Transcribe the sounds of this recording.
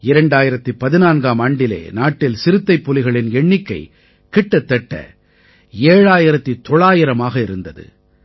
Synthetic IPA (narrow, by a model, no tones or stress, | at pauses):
ɪɾɐɳɖaːjɪɾɐt̪ːɯpɐðɪnaːnɡaːmɐɳɖɪlḛːnaːʈːɪlsɪɾɯt̪ːɐɪpːɔlɪɣɐɭɪnɛɳːɪkːɐɪ | kɪʈːɐt̪ːɛʈːɐ̰ | eːɻaːjɪɾɐt̪ːit̪ɔɭaːjɪɾɐmaːɣɐɪɾɯnd̪ɐðɯ̰